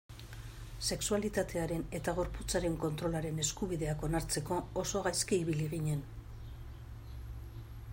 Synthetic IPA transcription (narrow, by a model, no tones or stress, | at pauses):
se̞ksualit̪at̪ʰe̞aɾe̞ne̞t̪aɣ̞o̞ɾput͡saɾe̞ŋko̞nt̪ɾo̞laɾe̞ne̞skuβiðe̞ako̞naɾt͡se̞ko̞ːso̞ɣajskiiβiliɣiɲe̞n